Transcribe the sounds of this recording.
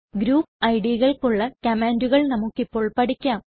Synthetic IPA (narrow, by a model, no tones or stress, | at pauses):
ɡɾuːpɐjɽiɣɐɭkuɭːɐkɐmeːnduɣɐɭnɐmukːipːo̞ːɭpɐʈikʲːaːm